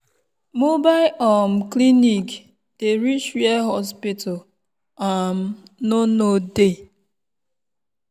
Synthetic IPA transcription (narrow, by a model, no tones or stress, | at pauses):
mobaɪʔɔmklinik | d̥eɾit͡ʃwɛɦɔspitʰɔl | am | nonode